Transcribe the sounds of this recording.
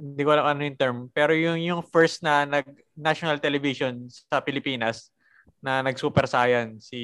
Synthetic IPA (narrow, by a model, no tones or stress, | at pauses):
ɪnd̪ikowɐlaŋoʔɐnojʊnt̪ɛɹmpɛːɾojʊŋjʊŋfɛɹst̪̚nɐnɐɡ̚ | naʃonɐlt̪ɛlɛvisonsɐpɪlɪpiːnɐs | nɐnɐɡsuːpɛɾsaːjɐnsi